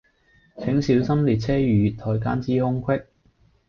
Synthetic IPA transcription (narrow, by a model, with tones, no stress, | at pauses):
t͡sʰɪ˨˥ŋsiː˨˥wsɐ˥mliː˨t̚t͡sʰɛː˥jyː˨˧t̪ʰɔː˨˩jka̰ː˥nt͡siː˥hʊ˥ŋkʰwɪ˥k̚